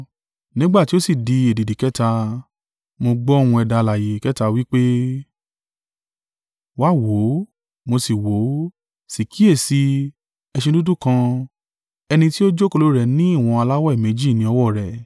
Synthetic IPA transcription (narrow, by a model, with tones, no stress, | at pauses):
nĩ˦ɡ͡ba˦˨ti˦o˦si˦˨di˧e˨di˨di˨kɛ˦ta˧ | mo˧ɡ͡bɔ̃˦˨ũ˧ɛ˧da˧la˨je˨kɛ˦ta˧wi˦k͡pe˦ | wa˦˨wo˨˦ | mo˧si˨wo˨˦ | si˨ki˦e˦˨si˧˦ | ɛ˧ʃẽ˧du˦dũ˦kã˧ | ɛ˧nĩ˧ti˦o˦d͡ʒo˦ko˧lo˨˦ɾɛ˨nĩ˨˦i˦˨w̃ɔ̃˧a˧la˦wɔ˦i˦˨mẽ˨˦d͡ʒi˦˨nĩ˧˦ɔ˧wɔ˦˨ɾɛ˨